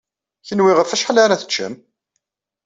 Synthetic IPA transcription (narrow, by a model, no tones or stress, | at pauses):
çənwiʁəɾfæʃħəlaɾaθə̥t͡ʃːə̰m